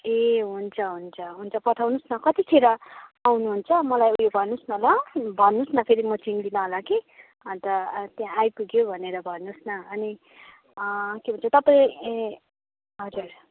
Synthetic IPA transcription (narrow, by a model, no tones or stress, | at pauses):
eɦunt͡sʰʌɦunt͡sʰʌɦunt͡sʰʌpʌt̪ʰawnusnʌkʌt̪ikʰeɾʌawnuɦunt͡sʰʌmʌlajujobʱʌnːusnʌɦlʌbʱʌnːusnʌpʰeɾimʌt͡sind̪inaɦʌlake | ʌnt̪ʌt̪jãajpuɡjobʱʌneɾʌbʱʌnːusnʌʌni | kebʱʌnt͡sʰʌt̪ʌpãĩ | ɦʌd͡zur